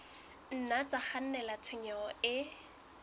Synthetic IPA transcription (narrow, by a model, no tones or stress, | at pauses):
n̩nat͡sʼaχan̩nɛlat͡sʰɪɲɛɔɪ